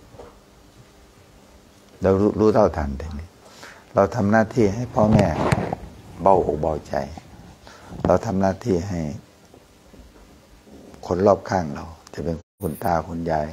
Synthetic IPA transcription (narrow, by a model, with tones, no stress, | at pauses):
da˧˩wluː˦˥t̪ʰa˧˩wt̪ʰa˧˩nt̪a˨˧˩ni˧˥˩ | ɾa˧wt̪ʰa˧mnaː˧˥˨t̪ʰiː˧˩˨ɦa˧˩jpʰɔː˧˥˨mɛː˧˩ | ba˧˩wʔo˨˧˩ba˧˩wt͡ɕa̰˨˧˩j | la˧wt̪ʰa˧mnaː˧˥˨t̪ʰiː˧˩˨ɦa˧˩j | kʰo˧˥nlɔː˧˥˩p̚kʰaː˧˩˨ŋla˧wt͡ɕa˧˩pe˧˨nkʰo˧nkʰu˧˥˨nt̪aː˧˩kʰo˧˥˨nja˧j